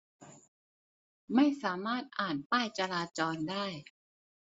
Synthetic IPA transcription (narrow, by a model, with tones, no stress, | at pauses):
ma˥˩jsaː˩˦maː˥˩t̪̚ʔaː˨˩npaː˥˩jt͡ɕa˧laː˧t͡ɕɔː˧ndaː˥˩j